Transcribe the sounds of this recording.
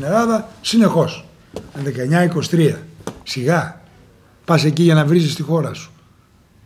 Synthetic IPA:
ne̞lɐðɐsine̞xo̞s | mðe̞kɐe̞ɲɐiko̞si̥t̪ɾiɐsiɣɐ | pɐse̞ciʝɐnɐvɾizist̪ixo̞ɾɐsu̥

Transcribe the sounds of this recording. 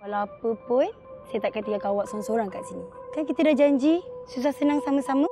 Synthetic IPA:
kalawapəpʊn | sajat̪aʔkaət̪ikakawaʔsamsoɾaŋkaʔsinikankit̪ədahd͡ʒaɲd͡ʒisus̬ahsənaŋsamasamə̃

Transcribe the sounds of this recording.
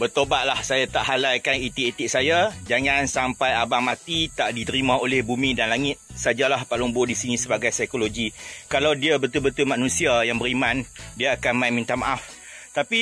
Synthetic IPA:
bərt̪obat̪̚lahsajat̪aʔɦalajkanit̪iʔet̪ɪk̚sajad͡ʒaŋansampajabaŋmat̪it̪aʔdit̪əɾimãolɛhbumĩdanlaŋɪt̪̚sad͡ʒalahpalʊŋbʊdisinĩsəbaɡajsajkoloɡikalawdiabət̪ʊlbət̪ʊlmãnũsiajaŋbəɾimãndiaakanmajmĩnt̪amaʔaf | t̪api

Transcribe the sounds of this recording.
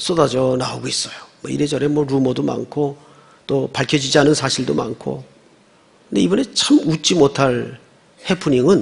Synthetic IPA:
s͈odad͡ʑʌnauɡois͈ʌjomwʌḭɾed͡ʑʌɾe̞mwʌɾumʌdoma̰nkʰo | t͈opaɭkʰjʌd͡ʑid͡ʑianɯnsʰaɕʰiɭdoma̰nkʰo̰ | kɯnde̞̰ibʌne̞t͡ɕʰamut͡ɕ͈imotʰaɭ | hepʰuɲiŋɯn

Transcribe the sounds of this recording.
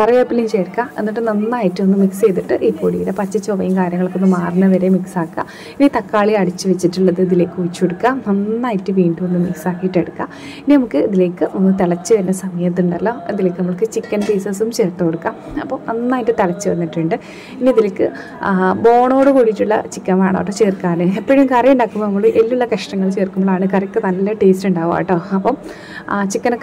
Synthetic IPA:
pɐrɐʋeːpːilimt͡ɕejɾkːae̞̰nːiʈːɨnɐnːaːjitːɨonːɨmikse̞jt̪̬iʈːɨʔipːoːɽḭːɾɐpɐt͡ɕːɐt͡ɕːoʋɐjɐmkaːɾʲjɐŋːɐɭokːonːɨmaːrɨnːɐʋɐɾe̞miksaːkːa̰ | init̪ɐkːaːɭiɐɽit͡ɕːɨʋet͡ɕːiʈːuɭːɐðɨɐðile̞ːkːɨut͡ɕːoɽukːaːnɐnːaːjitːɨʋiːɳɖuonːɨmiksaːkːijiʈːeɽukːa̰ː | ininɐmukːɨiðileːkːɨʔo̞nːɨt̪ɐɭɐt͡ɕːɨt̪ɐnːesɐmɐjɐt̪̬ːuɳɖɐlːo̞ɐðile̞ːkːnɐmːɐɭkɨt͡ɕikːɐnpeːsɐsumt͡ɕeːrt̪ːooɽukːamɐpːoːmɐnːaːjindɨt̪ɐɭɐt͡ɕːɨʋɐnːiʈːuɳɖɨ | inːiɐðileːkːɨ | bo̞ːɳo̞ːɽɨkuːɽitːuɭːɐ̰t͡ɕikːɐʋa̰ːɳo̰ʋʈːoːt͡ɕeːrkːaːnɨepːɐːɻjimkɐrɐjuɳɖaːkːumnɐmːɐɭɨʔelːuɭːɐkɐʂʈɐŋːɐɭt͡ɕe̞ːrkːumboɭaːɳɨkɐɾɐkːɨnɐlːɐʈe̞ːstuɳɖaːʋa̰ːʋʈːo̞ːɐpːom | t͡ɕikːɐnokː

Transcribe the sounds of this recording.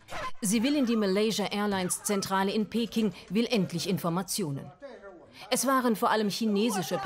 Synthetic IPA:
ziːvɪlɪndiːmɪlɛɪʒaʔɛːɐlaɪnst͡sɛntʁ̥aːləɪnpʰeːkɪŋvɪlʔɛntʰlɪçɪnfɔɐmat͡sjoːnə̰n | ʔɛsv̥aːʁənfoːɐʔaləmçineːzɪʃəp

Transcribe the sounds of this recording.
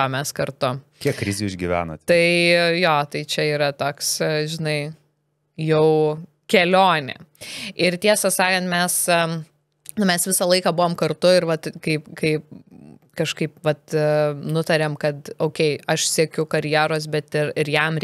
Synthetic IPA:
omʲɛskɐɾt̪ʊkʲiɛkkɾʲɪzʲuːɪʒʲɡʲɪʋʲæ̰ːnoːt̪ʲt̪ɐɪjoːt̪ɐɪt͡ʃʲɛiːɾɐt̪oːksʒʲɪnɐɪ | jɛʊ | kʲɛlʲoːnʲɪ̰ɪɾt̪ʲiɛsɐsɑːkɐnt̪mʲɛs | nmʲɛsʋʲɪsɐlˠɐɪkɐːbʊʋoːmkɐɾt̪ʊɪɾʋɐt̪kɐɪpkɐɪp | kɐʃkɐɪpʋɐt̪nʊt̪ɐɾʲeːmkɐt̪oʊkʲɛɪɐʃsʲiɛkʲʊkɐɾʲjiːɾoːs̬bʲɛt̪ɪɾɪɾjɛmɾʲ

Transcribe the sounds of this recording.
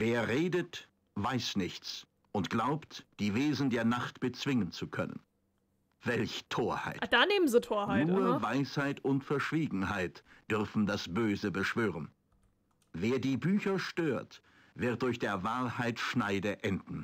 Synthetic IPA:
veːɐʁeːdət | v̥aɪsnɪçt͡s | ʔʊntɡ̥laʊptd̥iːveːzn̩deːɐnaχtb̥ət͡sv̥ɪŋənt͡sukʰœnə̰n | v̥ɛlçtʰoːɐha̰ɪtd̥aːneːmən̩zitʰoːɐhaɪuːɐvaɪshaɪtʊntfɛɐʃv̥iːɡŋ̩haɪtd̥ʏʁɐfn̩dasb̥øːzəbəʃv̥øːʁən | veːɐdiːbyːçɐʃtøːɐt | v̥ɪɐt̚d̥ʊɐçd̥eːɐvaːɐhaɪtʃnaɪdəʔɛndn̩

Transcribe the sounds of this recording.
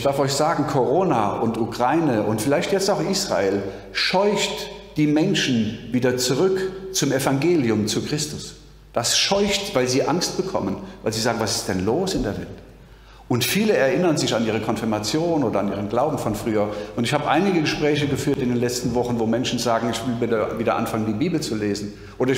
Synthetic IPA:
ɪd̥aɐfɔʏçz̥aːɡŋ̩kʰoʁoːnaʔʊntukʁ̥aɪnəʔʊntfɪlaɪçtjɛt͡staʊxʔiːsʁ̥a̰eːl | ʃɔʏçt | d̥iːmɛnʃn̩viːdɐt͡suʁʏkt͡sʊmefaŋɡeːljʊmt͡sukʁ̥ɪstʊs | d̥asʃɔʏçtv̥aɪlziːʔaŋst̚b̥əkʰɔ̰mənvaɪlziːzaːɡŋ̩vasɪ̥std̥ɛnloːsɪndeːɐvɛ̰lt | ʔʊntfiːləɛɐʔɪnɐnzɪçaniːʁ̞əkʰɔnfɪɐmat͡sjoːnnoːdɐanʔiːʁ̞ənɡlaʊbm̩fɔnfʁ̥yːɐʔʊntɪçhaːbəʔa̰ɪnɪɡəɡəʃpʁ̥ɛːç̬əɡəfyːɐtɪndeːnlɛt͡stn̩vɔχn̩voːmɛnʃn̩zaːɡŋ̩ɪçv̥ɪlvidɐviːdɐʔa̰nfaŋəndiːbiːbl̩t͡suleːzn̩ | ʔoːdɐɪ

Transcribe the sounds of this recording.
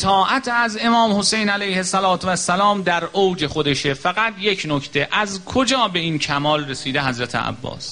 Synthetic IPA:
t̪ʰɒːʔæt̪ʰæze̞mɒːmho̞se̞jnælæjhe̞sælɒːt̪ʰvæsːælɒːmd̪æɾowd͡ʒe̞xo̞d̪e̞ʃefæɣæt̪ʰje̞cʰnocʰt̪ʰe̞ʔæzkʰo̞d͡ʒɒːbe̞iːncʰæmɒːlresiːd̪eɦæzɾæt̪ʰḛæ̰bːɒ̰ːs

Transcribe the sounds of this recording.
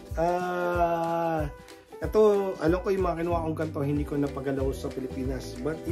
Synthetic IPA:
ʔaː | ʔɛt̪o̞ʔɐlɐmkojʊmɐŋɐkɪnʊwakoŋɡɐnt̪o̞ɦɪ̃nd̪iːkonɐpɐɡɐlɐosɐpɪlɪpiːnɐsbɐt̪̚

